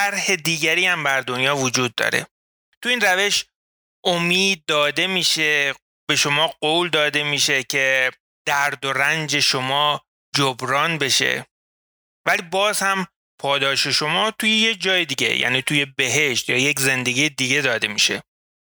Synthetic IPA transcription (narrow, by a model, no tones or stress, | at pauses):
æɾhed̪iːɡæɾiːhæmbæɾd̪onjɒːvod͡ʒuːd̪ːɒ̰ːɾḛ | t̪ʰuiːnræveʃ | ʔomiːd̪̚ːɒːd̪e̞miːʃe | be̞ʃo̞mɒːɢoːwld̪ɒːd̪e̞miːʃe̞cʰe̞ | d̪̥æɾd̪o̞ɾænd͡ʒe̞ʃo̞mɒː | d͡ʒobɾɒːnbe̞ʃe̞̰ | væliːbɒːzhæm | pʰɒːd̪ɒːʃe̞ʃo̞mɒːt̪ʰujejed͡ʒɒːjed̪iːɟḛjʔæ̰niːt̪ʰuje̞be̞ɦeʃt̪jɒːjecze̞nd̪e̞ɡiːjed̪iɡe̞d̪ɒːd̪e̞miːʃḛ